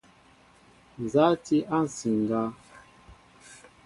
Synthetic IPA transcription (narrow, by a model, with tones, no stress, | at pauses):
n˨za˨˦ti˦ʔa˦˨n̩˨si˨ŋ˨ɡa˦